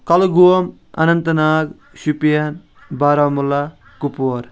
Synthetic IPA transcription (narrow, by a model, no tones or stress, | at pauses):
kɐlɡuwɐm | ɐ̰nɐnt̪ɐnaːɡ | ʃupijan | baːɾaːmula | kupoɾ